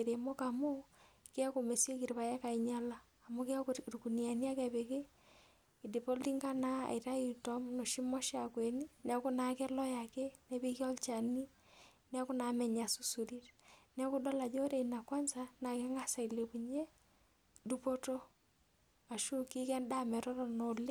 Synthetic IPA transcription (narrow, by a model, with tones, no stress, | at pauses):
e˨ɾe˨mo˦ka˨mo˦ki˦a˦ko˨me˨sje˦ki˨ɾβa˨ja˦ka˨i˨ɲa˦laː˦˨mo˦ki˦a˦ɾuku˨nia˨ni˦a˦ka˨βe˨ke˦ | i˨di˨po˦lti˦ŋɡa˦na˦a̰˨iɾa˦i˨tɔ˦mno˨ʃi˦mɔ˦ʃa˨kwe˨ni˦ne˦a˦ku˦na˨ke˦lɔ˦ja˨kɛ˦nɛ˦bi˦ki˦ɔ˦lt͡ʃa˨ni˦ | nɛ˦kʊ˦na˨mɛ˨ɲa˨su˦su˨ɾi˦tnɛ˦ku˦dɔ˦la˨d͡ʒo˦ɾe˨i˨na˨kwa˦nsa˦na˨ke˦ŋɡa˦sa˨i˨le˨ku˨ɲe˦ | du˦po˦to˦ | a˨ʃu˦ki˦kɛ˦nda˦mɛ˨tɔ˦lɔ˨no˨le˦